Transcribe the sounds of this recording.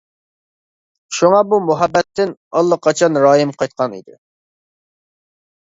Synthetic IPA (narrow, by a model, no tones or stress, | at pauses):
ʃuŋɑbumuɦɛbːɛt̪ːɪnɑlˠːəqʰːɑt͡ʃʰɑnɾɑːjɪmqʰɑjt̪̚qʰɑnḭd̪ɪ̰